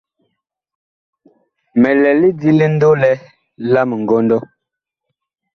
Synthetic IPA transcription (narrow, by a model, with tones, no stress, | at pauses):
mɛ˨lɛ˨li˦di˦le˦n̩˦do˦lɛ˦ | la˦mə˨ŋ̩˨ɡɔ˦n˦dɔ˦